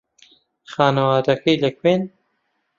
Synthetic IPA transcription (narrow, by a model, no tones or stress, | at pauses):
xaːnɐwɑːd̪ɐkʰɐjlɐkʰweːn